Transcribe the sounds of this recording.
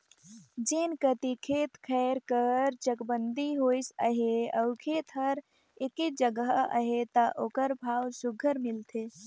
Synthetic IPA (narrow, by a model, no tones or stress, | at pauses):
d͡ʒenkət̪ikʰeːt̪kʰɛɾkəɾt͡ʃəkbənd̪ʱiɦojsə̰ɦeəʊkʰeːt̪ʰɦəɾ | eked͡ʒəɡəɦəə̰ɦet̪əʔoːkəɾbʱaːwsuɡʱəɾmilt̪ʰe